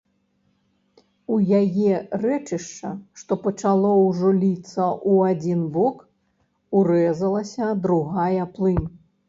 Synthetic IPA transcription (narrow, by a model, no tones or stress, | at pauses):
ujajɛrɛt͡ʂɨʂt͡ʂɐʂt̪ɔpɐt͡ʂalˠɔwʐɔlʲit̪sːɐʔuad͡zʲinbɔk | uɾɛzɐlˠɐsʲɐd̪ɾuɣajɐplˠɨm